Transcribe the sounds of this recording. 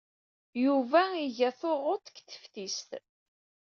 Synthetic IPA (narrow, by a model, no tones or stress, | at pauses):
juvæiʝæθoʁot̪ˤkθə̥fθist̪